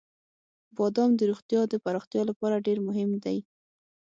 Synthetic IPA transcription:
bɑd̪ɑmd̪əɾoxt̪jɑd̪əpaɾɑxt̪jɑlapɑɾaɖeɾmʊɦɪmd̪aj

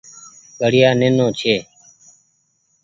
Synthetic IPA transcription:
ɓəɽɪjaːneːnõːt͡ʃʰeː

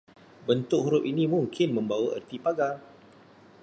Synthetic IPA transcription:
bənt̪ʊk̚huɾʊpinimuŋkʰɪnmə̃mbawaʔə̰rt̪ipaɡal

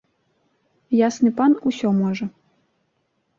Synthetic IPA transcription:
jasnɨpɑnusʲɔmoʒɤ̆

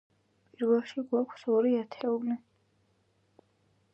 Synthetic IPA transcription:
pʼiɾvɛlˠʃiɡwakʷʰsɔɾiat̪ʰɛuli

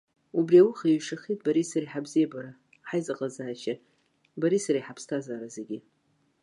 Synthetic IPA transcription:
ubriawʊχaɥʂaχit̚ʰʼbaɾisaɾiħabzijabaɾa | ħajzaqʼazaːʃa | baɾisaɾaħapʰstʰazaːɾazeɡʲɪ

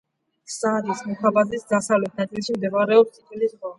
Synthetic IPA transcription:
saɾismɔkʰabazisd̪asavlɛt̪̚ʰnat̪ʼilʃimd̪ɛvaɾɛɔsʼit̪ʼwilisʁa

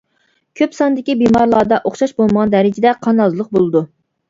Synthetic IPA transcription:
kʲʰøpsɑnd̪ɪkʲibimɑɾlˠɑːd̪ɑʔoχʃɑʃbolˠməʁɑnd̪ɛɾɪd͡ʒɪd̪ɛqʰɑnɑzlˠəq̚bolˠɨd̪u

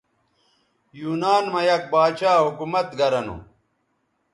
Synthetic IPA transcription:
juːnaːnmɐjɐk̚baːt͡ɕaːɦukumɐt̪ɡɐɾɐnṵ

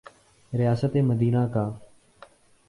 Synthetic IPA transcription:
ɾɪjaːsət̪eːməd̪iːnaːkaː

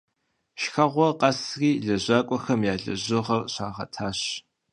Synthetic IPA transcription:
ʃxɐʁʷɔqɐsriːɮɐʑaːkʷʼɔxɐmjaːɮɐ̰ʑɨʁɐrɕaːʁɐ̰tʰaːɕ

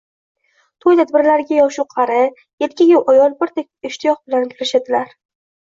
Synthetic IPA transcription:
t̪ʰojt̪ʰad̪̚bɪɾlaɾɪɡʲajɒwʃʊqʰɑɾɪ | je̞t̪̚kʲaɡʲawʔɒjɒlˠbɪɾt̪ʰek̚ʲɪʃt̪ʰɪjɒχbɪlankʲʰɪɾɪʃad̪ɪlaɾ

